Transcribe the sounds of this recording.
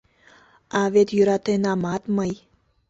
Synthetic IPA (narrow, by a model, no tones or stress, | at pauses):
avet̪jyɾat̪enamat̪maj